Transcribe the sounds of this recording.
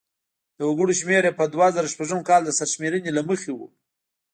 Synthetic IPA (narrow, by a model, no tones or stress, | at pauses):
d̪̥əwʊɡuɽoʃmeɾepəd̪wazaɾaʃpaʒəmkɑld̪əsaɾʃmeɾənelaməxewṵ